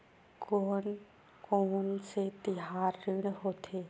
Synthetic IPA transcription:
koːn | konset̪ɪɦaːɾːɪɽ̃ɦoːt̪ʰeː

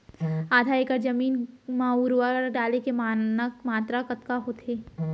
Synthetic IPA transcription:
aːd̪ʱaeːkəɾd͡ʒɐmiːnmauɾʋaɾɖaːlekemaːnəkmaːt̪ɾakɐt̪kaɦoːt̪ʰeː

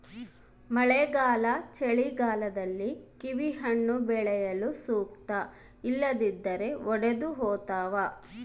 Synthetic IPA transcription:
mɐɭɛɡaːlɐt͡ʃeɭiɡaːlɐd̪ɐlːikiʋiɦɐɳːubɛɭɛjɐlusuːk̚t̪ɐ | ilːɐd̪id̪ːɐɾe̞ɔɽed̪uɦoːt̪aːʋa

